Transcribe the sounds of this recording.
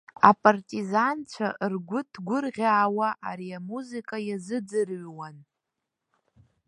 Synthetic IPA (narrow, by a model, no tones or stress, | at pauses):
a̰pʼartʼizant͡ɕʷʰaʔrɡʷʊtʰɡʷʊrʁʲaːwaʔaɾiamuzikʼajazɨd͡zɨrɥwan